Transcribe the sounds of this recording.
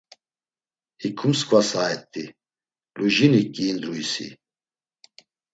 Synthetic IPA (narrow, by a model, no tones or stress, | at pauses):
hikʰumskʰʼvasaɛt̪ʼːi | luʒinikʼːiːnd̪ɾuisḭ